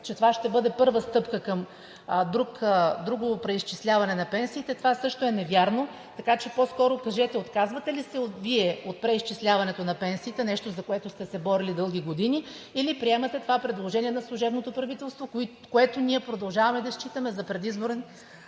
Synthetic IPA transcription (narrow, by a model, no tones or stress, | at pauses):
t͡ʃɛt̪ovaʃt̪ɛbɤd̪ɛpɤɾvəst̪ɤpkəkɐm | d̪ɾukd̪ɾuɡovopɾɛist͡ʃislʲavɐnɛnɐpɛnsiːt̪ɛt̪ovasɤʃt̪oɛnɛvjaɾno | t̪ɐkat͡ʃɛpɔskɔɾokɐʒɛt̪ɛot̪kazvɐt̪ɛlisɛot̪viɛot̪̚pɾɛist͡ʃislʲavɐnɛt̪onɐpɛnsiːt̪ɛnɛʃt̪ozɐkoɛt̪ʊst̪ɛsɛbɔɾilid̪ɤlˠɡ̟ʲiɡod̪iniː | lipɾiɛmɐt̪ɛt̪ovapɾɛd̪lˠoʒɛniɛnɐslˠʊʒɛbnot̪opɾɐvit̪ɛlˠst̪vo | koɛt̪onʲiɛpɾod̪ɐlˠʒavɐmɛd̪ɐʃt͡ʃit̪əmɛzɐpɾɛd̪izboɾɛn